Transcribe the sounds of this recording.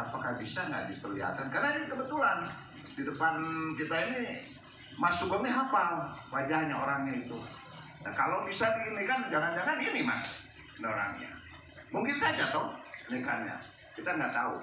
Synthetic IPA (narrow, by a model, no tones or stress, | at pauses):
apakahbisaŋɡa̰ʔdipərliɦa̰t̪ankarnainikəbət̪ulan | didəpankit̪aini | masuɡɔt̪ɲiɦapalwad͡ʒahɲaoɾaŋɲait̪u | na̰ka̰lobisadinikand͡ʒalaŋd͡ʒaŋaninima̰s | noɾa̰ŋɲa̰ | muŋkɪnsad͡ʒat̪ɔhnika̰nɲa̰ | kit̪aŋɡaʔt̪aṵ